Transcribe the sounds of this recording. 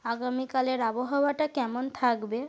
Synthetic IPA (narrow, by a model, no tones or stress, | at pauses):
aɡamikaleɾaboɦawaʈakɛmont̪ʰakbe